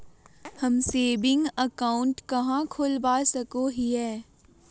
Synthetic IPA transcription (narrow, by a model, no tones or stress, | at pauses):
hɐmseːbɪ̃ŋɡəkaːʊ̃ɳʈkɐɦãkʰoːlbaːsɐkoɦiɦɛː